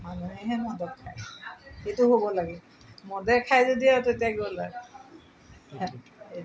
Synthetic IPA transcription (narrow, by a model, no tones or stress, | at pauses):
manumiɦɛmɔdɔp̚kʰajxetʊɦobɔlaɡɛ | mɔdɛkʰajzodiatotiaɡɔla̰ | et